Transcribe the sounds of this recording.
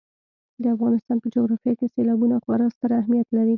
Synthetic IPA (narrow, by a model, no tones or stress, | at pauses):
d̪əafɣɑnɪst̪ɑnpəd͡ʒoɣɾɑfijɑkeselɑbunaxwɑɾəst̪əɾaːhmijat̪laɾi